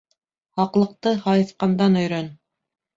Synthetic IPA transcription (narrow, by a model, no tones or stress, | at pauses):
hɑqlˠɤ̆q̚t̪ɤhɑjɤ̆θqɑnd̪ɑnɵ̆jɾœn